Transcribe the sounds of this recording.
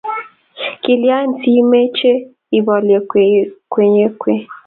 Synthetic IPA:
ki˨lja˦n̩˨ti˦i˦me˦t͡ʃe˦ | i˨bɔ˨le˨kʷe˨ɲe˦kʷe˦

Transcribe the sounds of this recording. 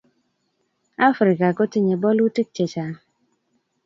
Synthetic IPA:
a˦fɾi˨ka˨ko˦ti˦ɲe˨bɔ˦lu˦tɪ˦k̚t͡ʃe˨t͡ʃa˨

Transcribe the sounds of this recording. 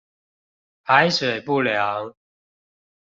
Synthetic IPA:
pa˨˦ɪswe˨˩ɪpu˥˨lja˨˦ŋ

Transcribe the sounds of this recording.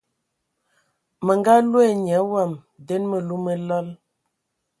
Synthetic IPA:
mə˨ŋɡa˦lwe˦˨ɲ˨ɛ˨˦wa˦˨m | de˦nmə˨lu˦mə˦lɔ˦l

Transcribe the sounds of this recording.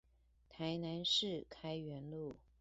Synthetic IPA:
t̪ʰa˧˥ɪna˧˥nʂɻ̩˥˩kʰa˥ɪɥɛ˧˥nlu˥˩

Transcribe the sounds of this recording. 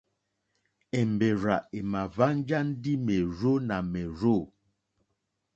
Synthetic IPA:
ɛ˨mbe˨ɾa˨e˨ma˨va˦n˦d͡ʒa˦n̩˦di˦mɛ˨ɾo˦na˨mɛ˨ɾo˦˨

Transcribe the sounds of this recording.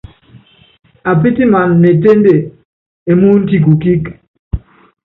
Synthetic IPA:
a˨p̬i˦ti˦ma˨nːe˨te˦nde˨ | e˨mu˦n̩˦ti˦k̬u˨ki˦k

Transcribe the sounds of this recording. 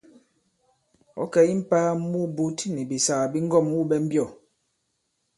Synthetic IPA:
ɔ̰˦kɛ˨i˦m̩˦paː˦mu˦bu˦tni˨bi˨sa˨ɣa˨bi˦ŋ˦ɡɔ˦˨mwu˦bɛ˦m̩˦bjɔ˦˨

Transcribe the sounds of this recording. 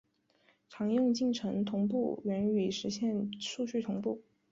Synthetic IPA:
ʈ͡ʂʰɑ˧˥ŋjʊ˥˧ŋt͡ɕi˥˩ŋʈ͡ʂʰɤ˧˥ŋt̪ʰʊ˧˥ŋpu˥˩ɥɛ˧˥ny˨˩ʂɻ̩˧˥ɕjɛ˥˧nʂu˥˧t͡ɕʰy˥˩t̪ʰʊ˧˥ŋpu˥˩

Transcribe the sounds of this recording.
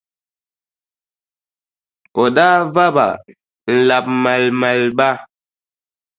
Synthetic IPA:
o˨ɗa˦va˦ba̰˨ | n̩˨la˨p̚ma˨lma˨lba˦

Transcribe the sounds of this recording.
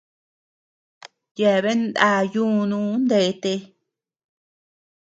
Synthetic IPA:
je˨βe˦nd̪a˧˨jũ˦˧nũ˦nd̪e˨˦˧t̪e˧

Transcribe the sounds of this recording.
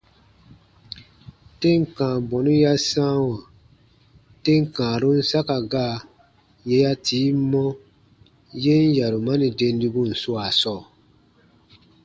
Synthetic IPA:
te˦ŋ̩˨kãː˨bɔ̃˨nũ˦ja˦sã˦wã˨ | te˦ŋ̩˨kã˨ɾu˦n̩˦sa˦ka˨ɡaː˦˨ | je˧ja˦tiː˨˦mɔ̃˦ | je˦n̩˦ja˨ɾu˨mã˦nĩ˨de˧n˦di˧ɡũ˦n̩˨su˦a˨sɔː˦˨

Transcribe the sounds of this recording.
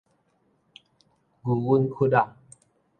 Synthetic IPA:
ɡu˨wu˦nkʰu˦da˨ŋ

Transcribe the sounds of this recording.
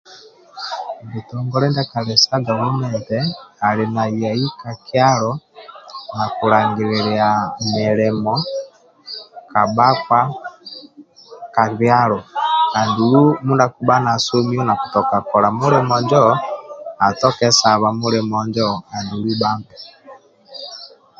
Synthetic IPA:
bi˨tɔ˨ŋɡɔ˦ɾɛ˦nda˦ka˨βɛ˨sa˦ɡa˨wu˦nɛntɛa˨ɾe˨na˨ja˨i˦ka˨kja˦ɾɔ | na˨ku˨ɾa˨ŋɡi˨ɾeɾia˨mɛ˨ɾɛ˨mɔ | ka˨ba˦kwa˦ | ka˨βja˦ɾɔ˨ka˨ndiuɾu˦mu˦nda˦ku˨ba˦na˨so˦mi˦ɔ˦na˨ku̥˨tɔ˨ka˨kɔ˨ɾa˨mu˦ɾɛ˦mɔ˨ɲd͡ʒɔ˦ | a˨tɔ˦kɛ˦sa˨βa˨mu˦ɾɛ˨mɔ˨ɲd͡ʒɔ˦ka˨ndi˨u˨ɾu˦baː˦mbɛ˨

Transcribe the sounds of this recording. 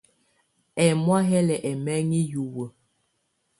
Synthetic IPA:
ɛ˨mwa˦ɦɛ˦lɛ˨ʔɛ˨mɛ˦ŋi˦ju˨wə˨

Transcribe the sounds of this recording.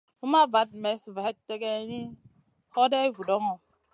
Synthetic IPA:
u˦ma˦va˨˦t̚mɛ˨˦sva˨hɛ˦tːe˦ɡe˦ɲi˦ | hɔ˦dɛ˦vu˨dɔ˦ŋɔ˨

